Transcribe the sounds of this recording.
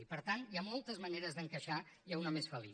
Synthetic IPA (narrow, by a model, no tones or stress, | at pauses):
ipəɾt̪anjamɔlˠt̪əzməneɾəzðəŋkəʃajaunəmesfəlḭ